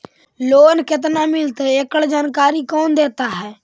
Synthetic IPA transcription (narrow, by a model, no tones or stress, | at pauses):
loːnkɪt̪̬namɪlt̪eekəɽd͡ʒaːnkaːɾikoːnd̪eːt̪aɦɛː